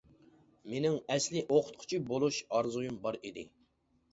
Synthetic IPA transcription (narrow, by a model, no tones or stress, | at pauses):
menɪŋɛslɪʔoqʰʊ̥t̪̚qʰʊ̥t͡ʃʰibolˠuʃɑɾzujumbɑɾid̪ɪ̰